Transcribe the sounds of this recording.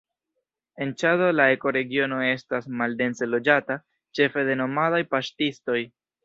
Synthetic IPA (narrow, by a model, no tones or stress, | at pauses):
e̞nt͡ʃado̞lae̞ko̞ɾe̞ɡio̞no̞e̞stasmalde̞nselo̞d͡ʒata | t͡ʃe̞fe̞de̞no̞madajpaʃtisto̞j